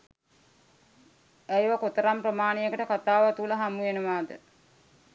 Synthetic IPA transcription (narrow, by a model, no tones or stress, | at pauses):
æjʋakot̪əɾamprəmaːnejəkəʈəkat̪aːʋat̪ulɐɦamujenəʋaːd̪ə̰